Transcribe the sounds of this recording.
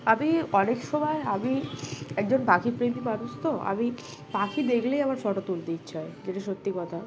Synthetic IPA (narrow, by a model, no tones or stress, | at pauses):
amiɔnekʃɔmɔeamiɛk̚d͡ʑonbakipɾemipad̪ost̪ʰoa̰mi | b̥akʰid̪ekʰlejabaɾfɔʈot̪uld̪itːt͡ɕʰajd͡ʑeʈiʃot̪ːikɔt̪ʰa